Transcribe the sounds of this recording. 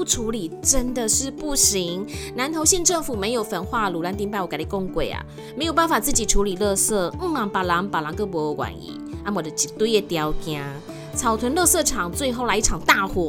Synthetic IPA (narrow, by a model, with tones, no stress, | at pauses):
u˥˩ʈ͡ʂʰu˧˥li˨˩ʈ͡ʂə˦nd̪ə˨ʂɻ̩˥˧pu˥˩ɕi˧˦ŋna˧˦nt̪ʰo˧˥ʊɕjɛ˥˧nʈ͡ʂə˥˩ŋfu˨˩me˨˧˦ɪjo˨˩ʊfə˨˥nxwa˥˩lu˨˩la˧˥nt̪i˧ŋpa˥˩ɪwka˨˩i˨˩ko˥˧ŋkwe˨˩ɪa̰˨˩ | mme˧˥ɪjo˨˩ba˥˩nfa˨˩t͡sɹ̩˥˩t͡ɕi˨˩ʈ͡ʂʰu˧˥li˨˩lɤ˥˧sɤ˥˩˥a˨˩pa˨˩lɑ˨˦ŋpa˨˩lɑ˧˦ŋkɤ˥˦p̬wɔ˧˦˧wa̰˨˩˦nḭ˨˦a˥mwɔ˨˩d̪ə˦t͡ɕi˨˩t̪u˥˧jɛ˥˩t̪jɑ˧˥ʊkja˥ | t͡sʰɑ˨˩ʊt̪ʰwə˧˥nlɤ˥˧sɤ˥˧˩ʈ͡ʂʰɑ˨˩ŋt͡swe˥˧ɪxo˥˧la˧˥ɪi˥˩ʈ͡ʂʰɑ˨˩ŋt̪a˥˧xwɔ˥˩